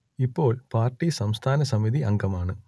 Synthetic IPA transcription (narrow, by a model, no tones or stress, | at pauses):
ipːo̞ːɭpaːrʈːisɐmst̪ʰaːnɐsɐmiðiʔɐŋɡɐmaːɳɨ